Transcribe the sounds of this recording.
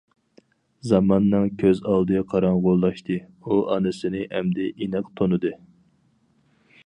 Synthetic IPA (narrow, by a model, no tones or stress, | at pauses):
zɑmɑnːɨŋkʲʰøzɑlˠd̪ɨqʰɑɾɑɴʁolˠːɑʃt̪ʰɨ | uʔɑnɨsɨnɪhɛmd̪ɛʔinɨqt̪ʰonɨd̪ɨ